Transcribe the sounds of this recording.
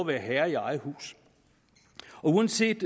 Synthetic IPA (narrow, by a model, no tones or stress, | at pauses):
ʋæːɐɦæɐiɑ̈ɪhṵːs | ɒ̽uːɐnse̝̰ːd̥